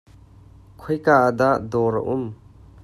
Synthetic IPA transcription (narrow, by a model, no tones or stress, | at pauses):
kʰɔjkaʔəd̪aʔd̪ɔːɾə̰ʔʊm